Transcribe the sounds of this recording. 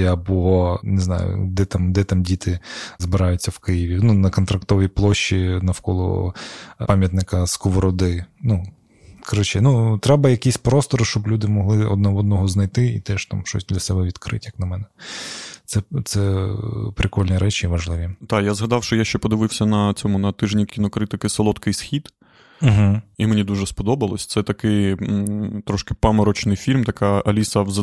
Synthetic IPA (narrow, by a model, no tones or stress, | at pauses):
jabʊɦɔnɪznɑ̰jʊ̰d̪ɛt̪amd̪ɛt̪amdʲit̪ɪzbɪɾɑjʊt͡sʲːɐwkɪjɪʋʲinunɐkɔnt̪ɾɐkt̪ɔʋʲiplˠɔʃːinɐwkɔlˠɔ̰ | pɑmʲjɐt̪nɪkɐskɔʋɔɾɔd̪ɪnu | kɐɾɔt͡ʃɛnut̪ɾɛbɐjɐkʲisʲpɾɔst̪ɔɾʃt͡ʃɔblʲud̪ɪmɔɦlˠɪɔ̰d̪nɔɦɔd̪nɔɦɔznɐjt̪ɪit̪ɛʃt̪amʃɔ̰sʲd̪lʲɐsɛbɛʋʲid̪kɾɪ̰tʲjɐknɐmɛnɛt̪sɛt̪sɛpɾɪkɔlʲnʲiɾʔɛt͡ʃiʋɐʒlˠɪʋʲit̪ɑjazɦɐd̪ɑwʃt͡ʃɔjaʃt͡ʃɛpɔd̪ɪʋɪwsʲɐnɐt͡sʲɔmʊnɐt̪ɪʒnʲikʲinɔkɾɪt̪ɔkɪsɐlˠɔt̪kɪjsxʲid̪̩ | ɦ̩imenʲid̪uʒɛspɔd̪ɔbɐlˠɔsʲt̪sɛt̪ɐkɪj | t̪ɾɔʃkɪpamɐɾɔt͡ʃnɪjfʲilʲmt̪ɐkɑɐlʲisɐʋzɐ